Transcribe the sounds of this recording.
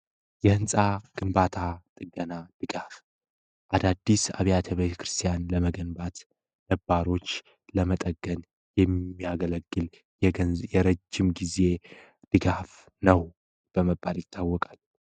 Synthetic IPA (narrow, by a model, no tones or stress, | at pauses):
jɛhɨnsʼaɡ̥ɨmbat̪ʰat̪ʼɨɡːənad̪̥ɨɡaf | ʔad̪ad̪ːisa̰βijat̪ʰəβet̪ʰə̥kʰɾɨst̪ʰijanləməɡənbat̪ | nəbːaɾo̞t͡ʃː | ləmət̪ʼəɡːən | jɛmːiaɡələɡːɨl | jɛəjɛɾəd͡ʒːɪmɡize̞ | d̪̥ɨɡaf | nəw | b̥əməbːaljɪt̪ʰːawːɔkʼal